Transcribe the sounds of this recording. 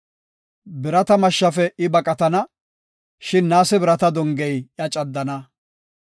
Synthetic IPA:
bɪɾɐt̪ɐmɐʃːɐfɛʔɪbɐkʼɐt̪ɐnɐ | ʃɪnːaːsɛbɪɾɐt̪ɐd̪ɔŋɡɛjjɐt͡ʃʼɐd̪ːɐnɐ

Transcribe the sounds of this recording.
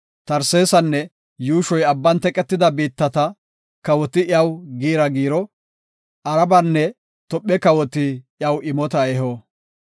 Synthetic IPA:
t̪ɐɾse̞ːsɐnːɛ | juːʃɔjɐbːɐnt̪ɛkʼɛt̪ːɪd̪ɐbiːt̪ːɐt̪ɐ | kɐwɔt̪ɪʔɐwɡiːɾɐɡiːɾɔ | ʔɐɾɐbɐnːɛ | t̪ɔpʼːɛkɐwɔt̪ːɪjɐwʔɪmɔt̪ɐɛɦoː

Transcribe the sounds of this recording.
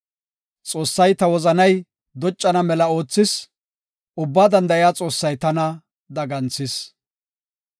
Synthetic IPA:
t͡sʼoːsːɐjt̪ɐwɔzɐnɐj | d̪ɔt͡ʃʼːɐnɐmɛlɐo̞ːt͡sːɪs | ʔʊbːaːd̪ɐnd̪ɐjaːt͡sʼo̞ːsːɐjt̪ɐnɐ | d̪ɐɡɐnt͡sːɪs

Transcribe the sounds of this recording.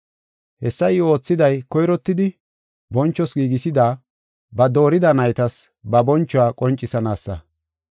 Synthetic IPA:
hɛsːɐjo̞ːt͡sːɪd̪ɐjkɔjɾɔt̪ːɪd̪ɪ | bɔnt͡ʃːɔsɡiːɡɪsɪd̪aː | bɐd̪o̞ːɾɪd̪ɐnɐjt̪ɐs | bɐbɔnt͡ʃːʊaːkʼɔnt͡ʃʼːɪsɐnaːsːɐ̰

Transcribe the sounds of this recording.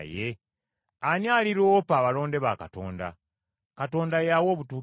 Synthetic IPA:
je | aɲjaːliɾopaːβalo̞ːnde̞βaka̰to̞̰ːnda̰ | kato̞ːndajawo̞ːβutuː

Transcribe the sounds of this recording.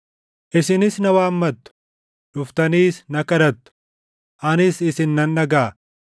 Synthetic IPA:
ʔɪsɪnɪsnɐwaːmːɐt̪ːʊ̥ | ᶑʊft̪ɐniːsnɐkɐɾɐt̪ːʊ̥ | ʔɐnɪsɪsɪnːɐnᶑɐɡaː

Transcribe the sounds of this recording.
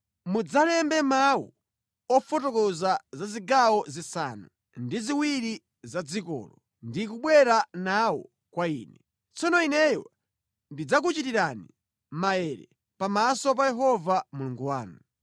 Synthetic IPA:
mud͡zalɛmbɛmawṵ | ɔfɔtɔkɔzazaziɡawɔzisa̰nu | ndiziwiɾi | zad͡zikɔ̰ːlɔ | ndik̬uɓwɛɾanawɔ̰ | kwaḭːnɛ | t͡sɔnɔinɛjɔ̰ | ndid͡zak̬ut͡ʃitiɾanḭ | majɛɾɛ̰ | pamasɔp̬ajɛɦɔvamuluŋɡuwaːnu

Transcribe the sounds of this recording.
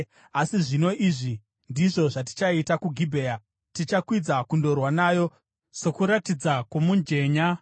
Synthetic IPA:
asiʐino̞ʔiʐi | ndiʐo̞ʐat̬i̥t͡ʃaitakuɡʱibʱeːa | tit͡ʃakwid͡zakundo̞rwanaːjo̞ | so̞kuɾatid͡zakomuɲd͡ʒe̞ːɲa

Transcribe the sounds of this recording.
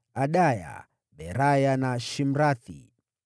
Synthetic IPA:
aɗaja̰ | ɓɛɾajanaʃim̩ɾaθḭ

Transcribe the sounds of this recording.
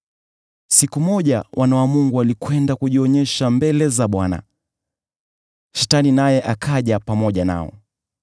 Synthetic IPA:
sikumɔʄawʔanawamuŋɡualikwɛndakuʄiɔɲɛʃambɛlɛzaɓwana̰ | ʃɛtaninajɛʔakʰaʄapamɔʄana̰ɔ̰

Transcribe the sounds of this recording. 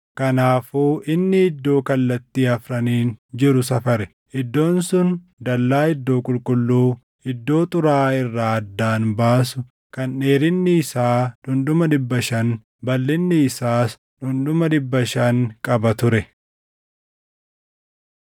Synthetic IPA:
kɐnaːfuːʔɪnːɪɪd̪ːo̞ːkɐlːɐt̪ːiːɐfɾɐniːnd͡ʒɪɾʊsɐfɐɾɛ | ʔɪd̪ːo̞ːnsʊn | d̪ɐlːaːɪd̪ːo̞ːkʼʊlkʼʊlːuː | ɪd̪ːo̞ːt̪ʼʊɾaːɪrːaːɐd̪ːaːnbaːsʊ | kɐnʔeːɾɪnːɪːsaːᶑʊnd̪ʊmɐd̪ɪbːɐʃɐn | bɐlːɪnːɪːsaːs | ᶑʊnd̪ʊmɐd̪ɪbːɐʃɐnkʼɐbɐt̪ʊɾɛ

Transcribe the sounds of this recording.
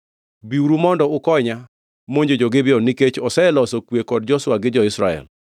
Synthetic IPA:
biuɾumɔndɔʊkɔɲa | moɲd͡ʒed͡ʒoɡɪbjɔniket͡ʃɔsɛlɔsɔkwekɔd̚d͡ʒɔswaɡɪd͡ʒɔɪsɾa̰ɛ̰l

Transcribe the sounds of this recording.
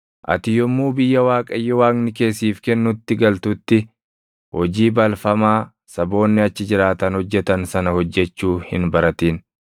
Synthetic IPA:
ʔɐ̰t̪ɪjɔmːuːbɪjːɐwaːkʼɐjːɔwaːŋnɪke̞ːsiːfkɛnːʊt̪ːɪɡɐlt̪ʊt̪ːɪ | hɔd͡ʒiːbɐlfɐmaː | sɐbo̞ːnːɪɐt͡ʃːɪd͡ʒɪɾaːt̪ɐnhɔd͡ʒːɛt̪ɐnsɐnɐhɔd͡ʒːɛt͡ʃːuːhɪnbɐɾɐt̪iːn

